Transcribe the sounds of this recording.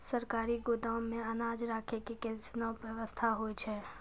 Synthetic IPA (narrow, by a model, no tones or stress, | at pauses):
səɾkaːɾiɡoːd̪awmẽɐnaːd͡ʒɾaːkʰekikesnɔpʋjəʋəst̪ʰaɦoːit͡ʃʰɛː